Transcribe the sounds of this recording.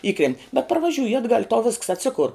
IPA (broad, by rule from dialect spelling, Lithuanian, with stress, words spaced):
ˈiːkrʲɛnʲtʲ bʲɛt pɐrʋɐˈʒʲuːjɪ ɐdˈɡɐlʲ ɪ tɐʊ ʋʲɪsks ɐtʲˈsʲɪkʊr